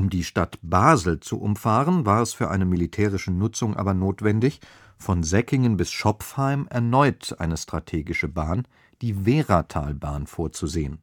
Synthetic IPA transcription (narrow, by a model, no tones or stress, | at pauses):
ʔʊmdiːʃtatb̥aːzl̩t͡sṵʔʊ̰mfaːʁənvaːɐɛsfyːɐʔa̰ɪnəmilitʰɛːʁ̞ɪʃənʊt͡sʊŋʔa̰ːbɐnoːtv̥ɛndɪç | fɔnzɛkɪŋənbɪsʃɔpfhaɪmɛ̰ɐnɔʏtʔa̰ɪnəstʁ̥atʰeːɡɪʃəbaːn | d̥iːveːʁatʰa̰ːlbaːnfoːɐt͡suzeːən